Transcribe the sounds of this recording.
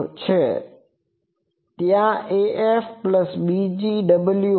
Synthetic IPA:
t͡ɕʰeː | t̪ijãeːʔeːfpləsɓid͡ʑiɖɐbəlju

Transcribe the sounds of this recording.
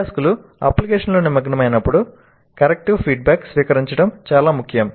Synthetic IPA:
skulu | ɐ̰plikeːʂɐnlo̞ːnimːɐɡɐnɐmɐjnɐpːuɽu | kɐɾek̚ʈiʋpʰiːɖ̚baːksʋiːkɐɾiɲt͡ʃɐɽɐmt͡ʃaːlaːmukʰːjɐm

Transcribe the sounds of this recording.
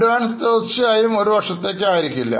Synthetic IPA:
ʋaːnst̪ɐt͡ɕːɨaːjumo̞ɾuʋɐʈʂɐt̪ːe̞ːkʲːaːjiɾikʲːilːɐ̰

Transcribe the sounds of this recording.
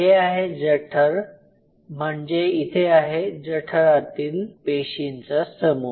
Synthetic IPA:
ɦeaɦed͡zəʈʰəɾ | m̤əɳd͡zeit̪ʰeaɦed͡zəʈʰəɾat̪iːlpeɕint͡səsəmu

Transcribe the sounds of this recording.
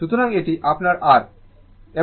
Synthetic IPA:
ʃut̪oɾaŋeʈiʔapnaɾaɾ | e

